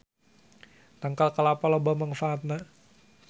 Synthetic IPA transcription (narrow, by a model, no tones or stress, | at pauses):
t̪aŋkalkəlapɔlobaməŋfaːt̪̚na